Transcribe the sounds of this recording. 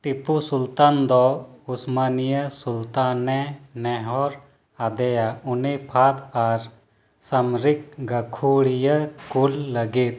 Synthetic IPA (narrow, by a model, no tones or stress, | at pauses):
ʈipusult̪aːnd̪ɔusmanijəsult̪anːɛnɛɦɔɾ | ad̪ɛjaunepʰat̪aɾ | sɐmɾik̚ɡəkʰuɽijəkulːəɡit̪̚